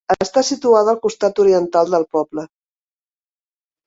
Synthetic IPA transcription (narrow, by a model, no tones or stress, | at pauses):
əst̪asit̪uaðəlˠkust̪at̪uɾiənt̪alˠd̪əlˠpɔblə